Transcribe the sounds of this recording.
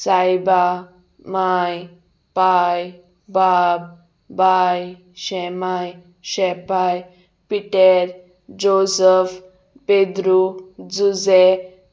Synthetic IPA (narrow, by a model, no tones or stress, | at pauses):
sajba | maj | paj | bab̚ | baj | ɕɛmaj | ɕɛpaj | piʈeɾ | d͡ʑosəf | ped̪ɾud͡zud͡ze